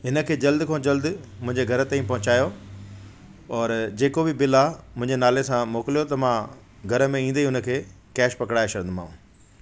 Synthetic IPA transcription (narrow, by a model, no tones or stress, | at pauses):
ɦɪnə̆kʰeːd͡ʑɐld̪kʰõːd͡ʑɐld̪mʊ̃ɦɪ̃ɲd͡ʑeɡʱɐɾə̆t̪ãːĩpɐɦʊ̃t͡ɕaːjo | ɔːɾd͡ʑeːkobɪbɪlamʊ̃ɦɪ̃ɲd͡ʑenaːlesãmoːkɪlijot̪ɐmã | ɡʱɐɾə̆mẽĩːn̆d̪iʊnə̆kʰeː | kɛːʃpɐkɽaːeʃɐɾd̪mãːũ